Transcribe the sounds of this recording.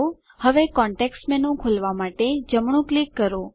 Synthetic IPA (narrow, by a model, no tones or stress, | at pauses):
o | həʋekɔ̃ɳʈeksʈmenũkʰolʋamaʈed͡ʒəmɳ̃ũklikːəɾo